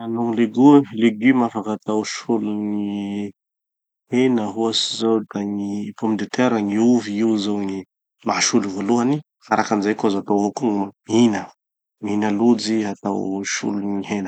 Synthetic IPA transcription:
anuŋleɡuleɡymafakat̪awʃuluni | henəɦuasizowdaŋipomid̪et̪eɾaŋiuviuzowŋi | maɦʃuluvoluani | faɾakamizajkozaat̪awakuŋaminə | minalud͡ziɦat̪a̰wʃṵlunihenə

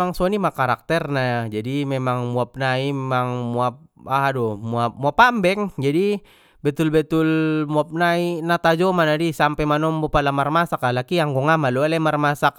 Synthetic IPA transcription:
aŋsɔnimakaɾak̚t̪ɛrnaad͡ʒadimemaŋmuap̚naimemaŋmuap̚ | aɦadomuap̚muapambɛŋd͡ʒadi | bɛt̪ʊlbɛt̪ʊlmuap̚nainat̪ad͡ʒomanadisampɛmanɔmbɔpalamarmasakalakiaŋɡɔŋamalualɛmarmasak̚

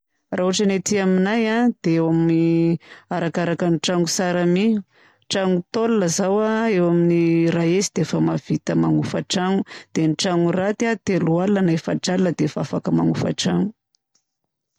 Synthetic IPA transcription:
rauaʈ͡ʂənet̪iaminajad̪̥eewamini | aɾakaɾakanʈ͡ʂaŋusaɾamiu | ʈ͡ʂaŋut̪olləzawaewaminiraezid̪̥efəmav̥it̪əmaŋufəʈ͡ʂaŋud̪̥enʈ͡ʂaŋurat̪at̪elualanaefaʈ͡ʂalnəd̪evafakəmaŋufə̰ʈ͡ʂaŋu

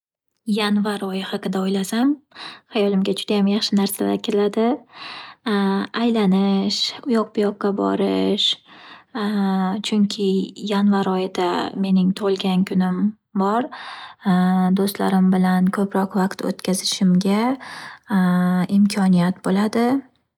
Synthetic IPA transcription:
janvaɾɒjɪhɑqɨd̪aojlasamhajɒlɪmɡʲad͡ʒʊd̪ajamjaχʃɪnaɾsala̰ɾkʲʰelad̪ɪ | ajlanɪʃʊjɒq̚bʊjɒq̚ːɑbɒ̰ɾɪʃ | t͡ʃʰʊŋkʲʰɪjanvaɾɒjɪd̪ame̞nɪŋt̪ʰolˠɡʲankʲʰʊnɪm | bɒɾ | d̪ost̪la̰ɾɪmbɪlankʰɵpɾɒqvaqt̪ʰo̰t̪kʲʰazɪʃɪmɡʲa | ɪmkʲʰɒnijat̪bolad̪ɪ

